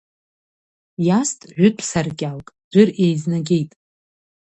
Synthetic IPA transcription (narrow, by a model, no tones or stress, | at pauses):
jastʼʕᶣʷʊtʼʰsarkʲʼalkʼd͡ʒʷʏre̞jznaɡʲe̞jtʼ